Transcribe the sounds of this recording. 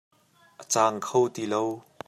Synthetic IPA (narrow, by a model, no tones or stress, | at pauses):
ʔət͡saːŋkʰowt̪ilow